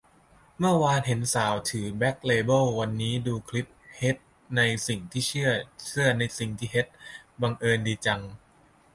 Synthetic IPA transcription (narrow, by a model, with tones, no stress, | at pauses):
mɯ˥˩ɐwaː˧nɦe˩˦nsaː˩˦wt̪ʰɯː˩˦bɛ˦˥k̚leː˧bɤ˥˩wwa˧nːiː˦˥duː˧kʰli˦˥p̚he˦˥t̪̚ | na˧jsi˨˩ŋt̪ʰiː˥˩t͡ɕʰɯ˥˩ɐt͡ɕʰɯ˥˩ɐna˧jsi˨˩ŋt̪ʰiː˥˩ɦe˦˥t̪̚ba˧ŋʔɤː˧ndiː˧t͡ɕa˧ŋ